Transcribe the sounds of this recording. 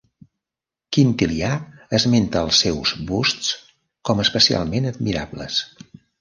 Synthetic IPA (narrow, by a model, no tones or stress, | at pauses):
kint̪iliaəzment̪əːlˠsːɛwzβustt͡s | kɔməspəsia̰lˠmenəd̪̚miɾablə̰s